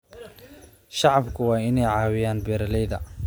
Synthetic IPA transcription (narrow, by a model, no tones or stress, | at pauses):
ʃɑʕɑbkʰʊwɑːɪnɛjʕɑːwɪjaːnbɛːɾɐlɛjðɐ